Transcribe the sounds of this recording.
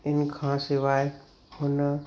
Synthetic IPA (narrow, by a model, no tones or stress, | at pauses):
ɪnkʰãsɪʋaːɪ | hʊnə